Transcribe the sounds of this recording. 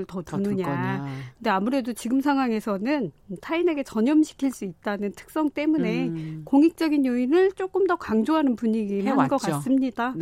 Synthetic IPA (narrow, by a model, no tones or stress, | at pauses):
ɭtʌtunɯɲakɯnde̞amuɾe̞dot͡ɕiɡɯms̬ʰaŋwaŋe̞sʰʌnɯntʰaine̞ɡe̞t͡ɕʌɲʌmɕʰi̥kʰiɭs͈uit̚t͈anɯntʰɯ̥k̚s͈ʌŋt͈e̞mune̞koŋik̚t͡ɕ͈ʌɡinjoinɯɭt͡ɕ͈ok͈ɯmdʌkaŋd͡ʑoɦanɯnpuɲiɡimaɡʌk͈as͈ɯmɲida